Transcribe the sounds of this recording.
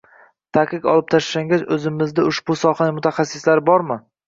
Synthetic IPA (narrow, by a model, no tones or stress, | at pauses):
t̪ʰaqɨkɒ̰lˠɪp̚t̪ʰaʃʃaŋɡʲazɵzɪmɪzd̪aʊʃbʊsɒχanɪmʊt̪ʰaχɑsːɪslaɾɪbɒɾmɪ